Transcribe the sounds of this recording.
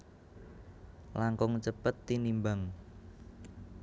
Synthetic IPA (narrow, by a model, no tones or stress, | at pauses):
laŋkʊŋt͡ʃəpət̪ːinimbaŋ